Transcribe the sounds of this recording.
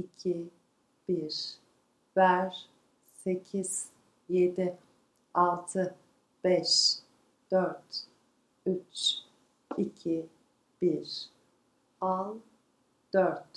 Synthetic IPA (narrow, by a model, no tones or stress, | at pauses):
icʰi | b̥iɾ | væɾ | se̞cʰiz̥ | jed̪i | alˠt̪ʰɯ | b̥ɛʃ | d̪̥øɾt̪ | yt͡ʃ | icʰi | b̥iɾ | alˠ | d̪̥øɾt̪